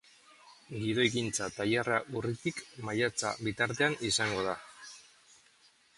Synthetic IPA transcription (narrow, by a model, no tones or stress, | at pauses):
ɡiðo̞ekint͡sat̪ajaraʔurit̪ikmajat͡sa̰βit̪aɾt̪e̞anisaŋɡo̞ð̞a